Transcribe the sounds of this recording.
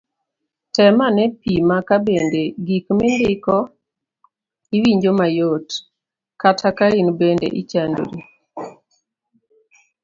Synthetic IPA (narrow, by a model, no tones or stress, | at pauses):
tɛmanɛpimakabendeɡikmɪndɪkɔ | iwiɲd͡ʒomajot | katʰakainbendḛʔit͡ʃando̰ɾḭ